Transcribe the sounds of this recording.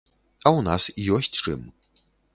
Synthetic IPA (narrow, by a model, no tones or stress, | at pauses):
ɐwna̰sijɔsʲt͡sʲt͡ʂɨ̰m